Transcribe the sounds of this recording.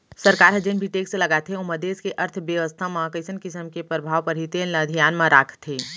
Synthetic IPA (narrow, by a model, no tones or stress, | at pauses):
sɐɾkaːɾɦɐd͡ʒenbʱiʈeːkslɐɡaːt̪ʰeʊməd̪eːskeʔɐɾt̪ʰʋjəʋəst̪ʰamãkəɪsənkɪsəmkepɾɐbʱaːʋpɐɾɦit̪eːnlad̪ʱijaːnmãɾʔaːkʰt̪ʰeː